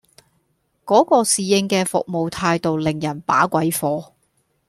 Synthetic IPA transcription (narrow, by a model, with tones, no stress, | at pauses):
kɔː˨˥kɔː˧siː˨jɪ˧ŋkɛː˧fʊ̰˨k̚mo˨wt̪ʰaː˧jt̪o˨wlɪ˨ŋjɐ˨˩npa̰ː˨˥kʷɐ˨˥jfɔː˨˧